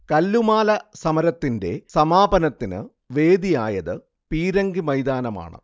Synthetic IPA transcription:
kɐlːumaːlɐsɐmɐɾɐt̪ːinde̞̰sɐmaːbɐnɐt̪ːinɨ̰ | ʋeːd̪ija̰ːjɐðɨ | piːɾɐŋɡimɐjd̪aːnɐma̰ːɳɨ̰

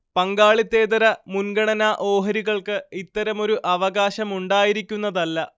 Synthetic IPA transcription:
pɐŋɡaːɭit̪ːeːd̪ɐɾɐmunɡɐɳɐnaʔo̞ːɦɐɾiɣɐɭkɨit̪ːɐɾɐmo̞ɾuʔɐʋɐɣaːɕɐmuɳɖaːjiɾikʲːunːɐðɐlːɐ

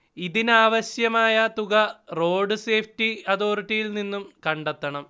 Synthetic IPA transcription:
iðinaːʋɐɕjɐmaːjɐt̪uɣɐro̞ːɖɨse̞ːfʰʈiɐðoːriʈːijilninːumkɐɳɖet̪ːɐɳɐm

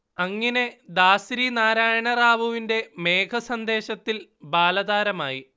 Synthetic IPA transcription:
ɐŋːɐne̞d̪aːsɾinaːɾaːjɐɳɐraːʋɐʋinde̞me̞ːkʰɐsɐnd̪e̞ːɕɐt̪ːilbaːlɐd̪aːɾɐmaːji

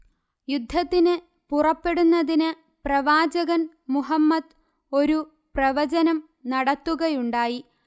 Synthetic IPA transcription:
jud̪ʱːɐt̪ːinɨ | purɐpːe̞ɽunːɐðinɨ | prɐʋaːd͡ʑɐɣɐn | muɦɐmːɐd̪ | o̞ɾu | prɐʋɐd͡ʑɐnɐm | nɐɽɐt̪ːuɣɐjuɳɖaːji

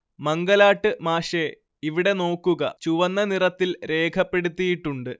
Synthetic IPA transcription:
mɐŋɡɐlaːʈːɨmaːʂe | iʋiɽe̞no̞ːkːuɣɐ̰t͡ɕuʋɐnːɐnirɐt̪ːilɾe̞ːkʰɐpːe̞ɽut̪ːijiʈːuɳɖɨ

